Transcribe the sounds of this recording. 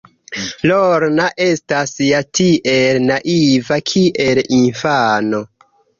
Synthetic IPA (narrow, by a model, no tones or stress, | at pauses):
loɾnaʔe̞stasjatiʔe̞lnaʔivakʰiʔe̞linfaːno̞